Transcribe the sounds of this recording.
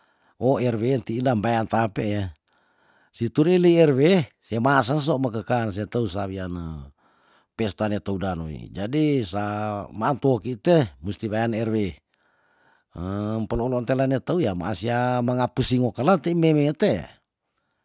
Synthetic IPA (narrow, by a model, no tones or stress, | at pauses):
oɛrwent̪iːldambajant̪apeʔja | sit̪uɾiliɛrwesemas̬as̬omakəkans̬et̪aus̬aβianə | pɛst̪anet̪audanoḭd͡ʒadisamaːnt̪uokit̪emust̪iβajanɛrwe | əmpəlɔlɔnt̪elanet̪aujama̰asiamaŋapusiŋokalat̪eimemet̪ḛ